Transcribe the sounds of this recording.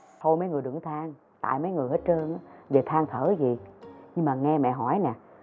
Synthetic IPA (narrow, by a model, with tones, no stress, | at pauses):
t̪ʰo˧jmə˨˦jŋɨ˨˩əjɗɨ˧˩ŋt̪ʰaː˧ŋ | t̪a̰ː˧˨jmə˨˦jŋɨ˨˩əjhe˦˥t̚t͡ɕə˧nʔaː˨˦ve˨˩t̪ʰaː˧ŋt̪ʰəː˧˩zi˨˩ɲɨ˧ŋmaː˨˩ŋɛ˧mɛ̰˧˨ɦɔ˧˩jnɛ˨˩